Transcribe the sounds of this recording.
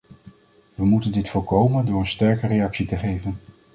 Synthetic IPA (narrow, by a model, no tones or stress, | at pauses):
ʋəmutəndɪtfʊːɹkowməndʊːɹənstɛɹkərejɑksitəχejvən